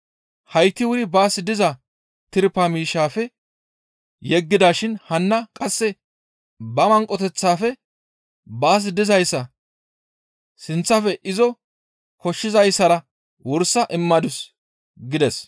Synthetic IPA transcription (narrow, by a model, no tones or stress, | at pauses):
hɐjt̪ːɪwʊɾɪbaːsɪd̪ɪzɐ | t̪ɪɾpɐmiːʃːaːfɛ | jɛɡːɪd̪aːʃɪnhɐnːɐkʼɐsːɛ | bɐmɐŋkʼːɔt̪ɛt͡sːaːfɛ | baːs̬d̪ɪzɐjsːɐ | sɪnt͡sːɐfɛʔɪzɔ | kɔʃːɪzɐjsɐɾɐ | wʊɾsɐʔɪmːɐd̪ʊs | ɡɪd̪ɛs